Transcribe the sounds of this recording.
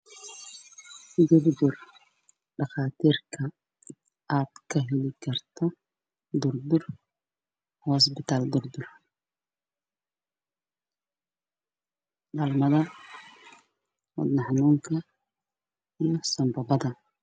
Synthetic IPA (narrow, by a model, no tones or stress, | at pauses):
d̪ʊrd̪ʊr | ɖɑχaːt̪ʰiːrkʰɐ | aːd̪̥kʰɐɦɛlɪkʰɐrt̪ʰɔ | d̪ʊrd̪ʊr | hɔs̬bɪt̪ʰaːld̪ʊrd̪ʊr | ɗɐlmɐðɐ | wɔ̰d̪nɑħnuːŋkʰɐ | ijɔsɐmbɐbɐðɐ